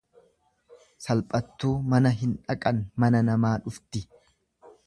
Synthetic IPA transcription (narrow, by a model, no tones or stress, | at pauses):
sɐlpʼɐt̪ːuːmɐnɐɦɪnᶑɐkʼɐnmɐnɐnɐmaːᶑʊft̪ɪ